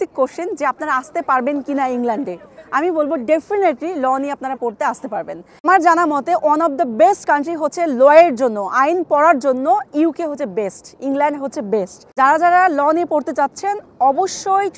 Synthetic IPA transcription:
ikkːoʃʃend͡ʑeapnaɾaast̪epaɾbenkinaiŋlaɳɖeamibolboɖefineʈlilɔniapnaɾapoɾt̪east̪epaɾben | amaɾd͡ʑanamɔt̪eʔɔnɔbd̪əbesʈkaɳʈɾiɦotːɕʰelɔeɾd͡ʑonːoʔajnpɔɾaɾd͡ʑonːoiukeɦotːʰebesʈiŋlaɳɖɦotːɕʰebesʈd͡ʑaɾad͡ʑaɾalɔnepoɾt̪et͡ɕatːɕʰenɔboʃːoj

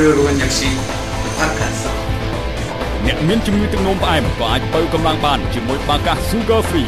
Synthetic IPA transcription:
ɨːəɾuəɲɲəksiː | pʰat̚kʰaːnsa̰ | nɛ̆əʔmiənt͡ɕumŋɨət̪ʊk̚noːmpʰʔaɛmkɑːʔaːc̚pəwkɑmlaŋɓaːnt͡ɕiəmuəjɓaːkahsuːɡəːfriː

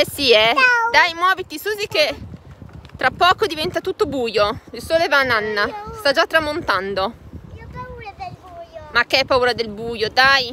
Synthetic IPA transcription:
ɛsiɛd̪ajmwɔːvit̪iskuːzik̟e | t̪ːɾapːɔːkod̪ivɛnt̪at̪ut̪ːobuːjoilsoːlevananːast̪ad͡ʒat̪ːɾamont̪and̪o | makːeɛpːauːɾad̪elbuːjod̪aj

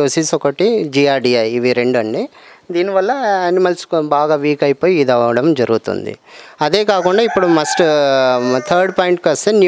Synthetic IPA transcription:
uːsisɔkɐʈid͡ʒiaːɾɖiɐːʋiɾe̞ɳɖɐɳɖid̪iːniʋɐlːɐeːnimɐlsbaːɡaːʋiːkɐjipoːjiːd̪ɐɐɽɐmd͡ʒɐɾuɡut̪ṵnd̪ḭɐd̪eːkaːkuɳɖaːipːuɽumɐsʈ | t̪ʰɐɾɖpaːjiɳʈ̚kɐst̪eːn

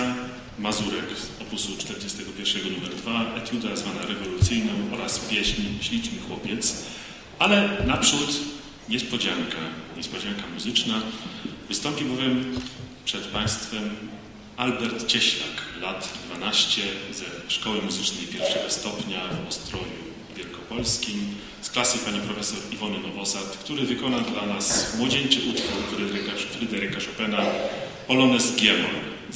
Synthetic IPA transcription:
mazuɾɛkɔpusut͡ʂt̪ɛɾd͡ʑɛst̪ɛɡɔpʲjɛɾfʂɛɡɔnumɛɾd̪vaɛt̪ʲjud̪azvanaɾɛvɔlut̪sɘjnɔ̃w̃ɔɾaspʲjɛɕɲɕlʲit͡ʂnɘxwɔpʲjɛt̪s | alɛnapʂut̪ | ɲɛspɔd͡ʑaŋkaɲɛspɔd͡ʑaŋkamuzɘt͡ʂnavɨst̪ɔmpʲibɔvʲjɛmpʂɛt̪paj̃st̪fɛm | albɛɾt̪t͡ɕɛɕla̰klat̪d̪vanaɕt͡ɕɛzɛʂkɔwɘmuzɘt͡ʂnɛjpʲjɛɾfʂɛɡɔst̪ɔpɲavɔ̰st̪ɾɔju | vʲjɛlkɔpɔlskʲim | sklasɨpaɲipɾɔfɛsɔɾivɔnɘnɔvɔsat̪kt̪uɾɘvɘkɔnad̪lanasmwɔd͡ʑeɲt͡ʃɘʔut̪fuɾkt̪uɾɘd̪ɛɾɛkafɾɘd̪ɛɾɘkaʂɔpɛna | pɔlɔnɛsɡʲjɛmɔ̰n

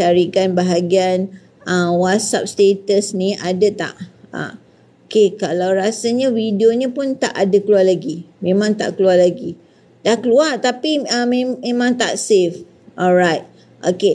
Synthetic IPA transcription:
t͡ʃaɾikanbaɦaɡian | əwatsa̰p̚st̪et̪əsnĩʔadat̪a̰ʔa̰ | okekalawɾasaɲawidioɲəpʊnt̪a̰ʔadakəluarlaɡimẽmãŋt̪a̰ʔkəluarlaɡi | t̪ahkəluart̪apiəmemẽmãŋt̪a̰ʔsef | ʔɔlɹajt̪̚ | ʔoke

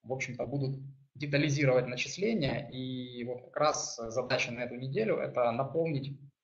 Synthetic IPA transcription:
vo̞pɕːɪmt̪əbud̪ʊt̪̚ | dʲɪt̪əlʲɪzʲiɾəvətʲnət͡ɕɪslʲenʲɪjəʔivo̞t̪kɐ̥kɾaszɐd̪at͡ɕənɐɛt̪ʊnʲɪdʲelʲʊʔɛ̰t̪ənɐpo̞lˠnʲɪtʲ

